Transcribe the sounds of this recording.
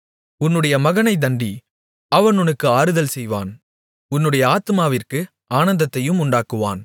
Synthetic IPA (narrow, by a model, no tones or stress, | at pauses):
ʊnːɯɽɐjɐmɐɣɐnɐɪd̪ɐɳɖi | ɐʋɐnʊnɯkːɯaːɾɯðɐlsɛjʋa̰ːn | ʊnːɯɽɐjɐaːt̪ɯmaːʋɪrkɯ | aːnɐnd̪ɐt̪ːɐjɯmʊɳɖaːkɯʋa̰ːn